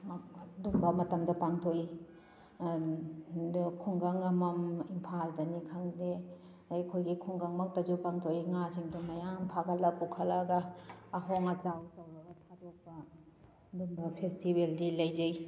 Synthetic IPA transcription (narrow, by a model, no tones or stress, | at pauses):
dumbɐmɐtɐmdɐpaŋtʰoi | kʰuŋɡɐŋɐmɐmimpʰaldɐnikʰɐŋde | kʰojɡikʰuŋɡɐŋmɐk̚tɐd͡ʒupaŋtʰoiŋad͡ʒʰiŋdumɐjaŋmpʰaɡɐlɐpukʰɐlɐɡɐːɦoŋɐt͡ʃawtɐwɾɐɡɐtʰatʰok̚pɐ | dumbɐpʰestibeldilɐjzej